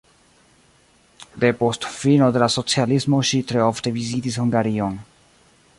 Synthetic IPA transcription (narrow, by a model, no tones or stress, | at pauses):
d̪e̞po̞stfino̞de̞laso̞t͡sialismo̞ʃitɾeo̞fte̞vizitishuŋɡaɾio̞n